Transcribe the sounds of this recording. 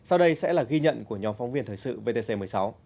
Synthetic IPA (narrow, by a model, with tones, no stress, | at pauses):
sa˧wɗə˧jsɛ̰˧˥laː˨˩ɣi˧ɲə̰˧˨nku˧˩əɲɔ˨˦mfɔ˨˦wŋ͡mvi˧ənt̪ʰəː˨˩jsɨ̰˧˨ve˧t̪e˧se˧m˨˩əjsa˨˦w